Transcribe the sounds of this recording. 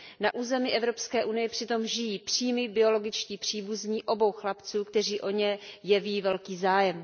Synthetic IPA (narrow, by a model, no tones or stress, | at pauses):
naʔuːzɛmɪʔɛvɾo̞pskɛːʔunɪjɛpr̥ɪt̪o̞mʒɪjiːpr̥iːmɪbɪo̞lo̞ɡɪt͡ʃciːpr̝̥iːbuzɲiːʔo̞bo̞wxlapt͡suːkt̪ɛr̝iːʔo̞ɲɛjɛviːvɛlkiːzaːjɛm